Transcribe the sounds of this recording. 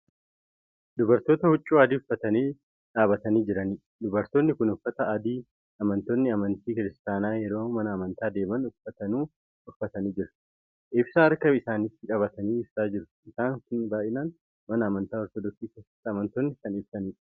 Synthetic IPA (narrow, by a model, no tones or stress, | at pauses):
d̪ʊbɐɾt̪o̞ːt̪ɐhʊt͡ʃʼːuːaːd̪iːʊfːɐt̪ɐniː | ᶑaːβɐt̪ɐniːd͡ʒɪɾɐniː | d̪ʊbɐɾt̪o̞ːnːɪkʊnʊfɐt̪ɐad̪iː | ɐmɐnt̪oːnːɪɐmɐnt̪iːkɪɾɪst̪aːnaːjɛɾo̞ːmɐnɐːmɐnt̪aːd̪e̞ːmɐnʊfɐt̪ɐnuː | ʊfɐt̪ɐniːd͡ʒɪɾɐ̥ | ʔɪbsaːɐɾkɐɪsaːnit̪ːɪᶑʼɐβɐt̪ɐniːɪbsaːd͡ʒɪɾʊ̥ɪsaːŋkʊnbaːʔɪnaːn | mɐnɐɐmɐnt̪aːɔɾt̪ɔd̪ɔksiːkeːsɐ̥t̪ːɐːmɐnt̪oːnːɪkɐnɪbsɐniːᶑ